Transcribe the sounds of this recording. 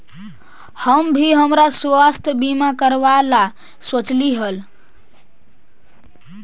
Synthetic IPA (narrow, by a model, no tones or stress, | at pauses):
həmbʱiɦəmɾasʋast̪ʰbimakəɾʋala | sot͡ʃliɦəl